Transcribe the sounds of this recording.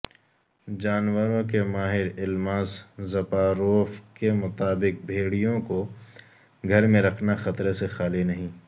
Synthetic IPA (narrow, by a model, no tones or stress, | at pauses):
d͡ʒaːnwəɾõkemaːɦɪɾɪlmaːszɐpaːɾoːfkemʊt̪aːbɪk̚bʱeːɽijõko | ɡʱɐɾmẽɾɐkʰnaxɐt̪ɾesexaːlenɐɦĩː